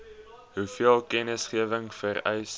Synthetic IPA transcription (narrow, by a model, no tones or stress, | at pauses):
ɦufiəlˠkɛnəsχiəvəŋfərɛ̰js